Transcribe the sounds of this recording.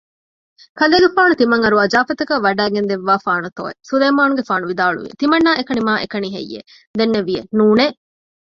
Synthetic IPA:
kɐleːɡefaːnut̪imɐŋɐɾuɐd͡ʒaːfɐt̪ɐkæʋɐɖæːɡend̪eʋːaːfaːnut̪o̰ːḛsuleːmaːnuɡefaːnuʋid̪aːɭṵʋḭḛt̪imɐnːaːekɐnimaːʔekɐniɦḛjːḛ | d̪enːeʋienuːne

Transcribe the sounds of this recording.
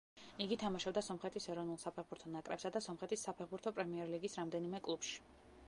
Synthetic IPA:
iɡit̪ʰamaʃɔbd̪asɔmχɛt̪ʰisɛɾɔvnulˠsapʰɛʁbuɾt̪ʰɔnakʼɾɛpsad̪asɔmχɛt̪ʰisːapʰɛɾbuɾt̪ʰɔpʼɾɛmiɛɾliɡisɾamd̪ɛnimɛkʼlˠupʃi̥

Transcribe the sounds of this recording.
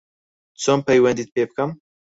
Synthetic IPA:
t͡sʰompɐjwɐnd̪iːt̪̚pʰeːbɨkɐm

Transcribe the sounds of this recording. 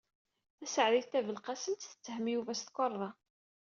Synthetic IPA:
θæsəʕðiθt̪ævəlqæsənt̪θə̥t͡sːəhəmjuvæst̪kʷɑɾˤðˤɑ

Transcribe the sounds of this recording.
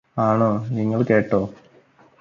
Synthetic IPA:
aːɳoːniŋːɐɭke̞ːʈːoː

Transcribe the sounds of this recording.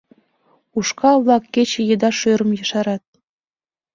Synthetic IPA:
uʃkɑβlˠɑkːet͡ɕĕjɤ̆d̪ɑʃøɾɤ̆mjɤ̆ʃɑɾɑt̪̚

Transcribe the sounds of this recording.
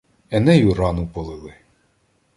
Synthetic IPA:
ɛnɛjuɾɑnʊpɔlˠɪlˠɪ

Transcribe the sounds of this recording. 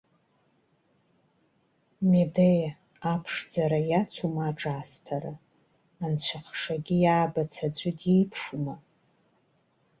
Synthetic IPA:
medej | apʰʂd͡zaɾajat͡sʷʰumaːʈ͡ʂʼastʰaɾaː | nt͡ɕʷʰaχʂaɡʲijaːbat͡sʰad͡ʒʷʼɨdejpʰʂuma

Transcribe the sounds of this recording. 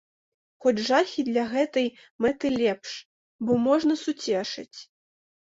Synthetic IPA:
xɔd͡zʲʐaxʲid̪lʲɐɣɛt̪ɐj | mɛt̪ɨlʲɛpʂ | bɔmɔʐnɐsut͡sʲɛʂɐ̰t͡sʲ

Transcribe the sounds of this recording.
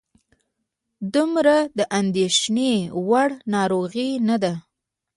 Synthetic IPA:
d̪umɾad̪əʔand̪eʃnewaɽnɑɾoɣinad̪a

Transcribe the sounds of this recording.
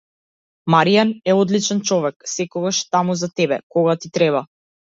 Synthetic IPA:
maɾianɛɔd̪lit͡ʃɛnt͡ʃɔvɛksɛkɔɡaʃt̪amuzat̪ɛbɛ̰kɔɡat̪it̪ɾɛβa

